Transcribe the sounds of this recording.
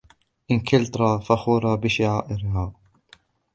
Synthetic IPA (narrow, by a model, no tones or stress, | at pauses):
ʔɪnkʰɪlt̪ˤɾˤɑːfaxuːɾˤɑːbɪʃaʕaːʔɪɾhaː